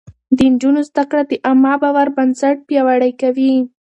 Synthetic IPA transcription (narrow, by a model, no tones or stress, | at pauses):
d̪ənd͡ʒʊnozd̪akɽad̪əʔamɑbawaɾbansaʈ̚pjɑwaɽajkawi